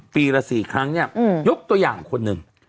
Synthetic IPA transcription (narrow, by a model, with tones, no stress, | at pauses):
piː˨˧ɾa˧siː˨˩kʰɾa˦˥ŋni˥˩ɐ˧˩jo˦˥k̚t̪u˧ɐjaː˨˩ŋkʰo˧nːɯ˨˩ŋ